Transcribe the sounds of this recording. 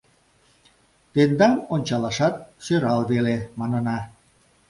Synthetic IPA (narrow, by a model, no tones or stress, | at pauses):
t̪end̪ɑnonʲt͡ɕɑlɑʃɑt̪̚ʃøɾɑlβelemɑnənɑ